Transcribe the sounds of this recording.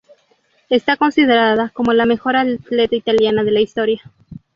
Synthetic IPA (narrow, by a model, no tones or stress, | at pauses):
e̞st̪ako̞nsið̞e̞ɾaðako̞molame̞xo̞ɾat̪le̞t̪ait̪aljanaðe̞laist̪o̞ɾja